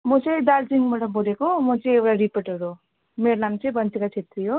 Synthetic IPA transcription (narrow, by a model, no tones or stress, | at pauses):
mʌt͡sʌj̃d̪aɾd͡ziŋbaʈʌboɾekomʌt͡sʌ̃j̃ewʈaɾipeʈʌɾu | meɾonamt͡sʌj̃bʌnt̪ikat͡sʰet̪rijo